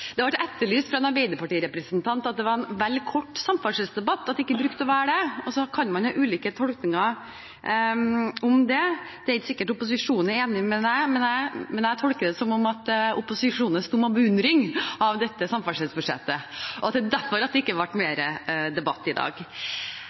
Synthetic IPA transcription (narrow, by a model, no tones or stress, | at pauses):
d̪ɛɑʋɑʈɛt̪ːəɭyːst̪fɾɑɛnɑɾbɛɪd̪əpʰɑʈiːəɾɛpɾəsnt̪ʰɑnt̪ɑt̪̚d̪ɛʋɑɾɛnʋɛlːkʰɔʈːsɑmfɑlʂɪlsd̪ɛbɑt̪ːɑt̪d̪ɪkːəbɾʉkt̪ɔʋæːɖɛɔsɔkʰɑnmɑnhɑʔʉːliːkət̪ʰɔlknɪŋɑ | ɔmd̪ɛd̪̥ɛæɾɪt̪sɪkːəʈʊpʊs̬ɪʂuːnəɛɾeːnɪmɛd̪æɪmɛnæmɛnæɪt̪ʰɔlkəd̪əsɔmɔmɑt̪ʊpʊsɪʂuːnənst̪uːmɑbəʉnd̪ɾɪŋɑʋd̪ɛt̪ːəsɑmfɑlʂɪlsbʉʂɛ̰t̪ːəʔɔɑt̪d̪ɛd̪æɾfɔɾɑt̪̚d̪ɛɪkːəʋɑʈːmeːɾəd̪ɛbɑt̪ːɪd̪ɑ̰ːɡ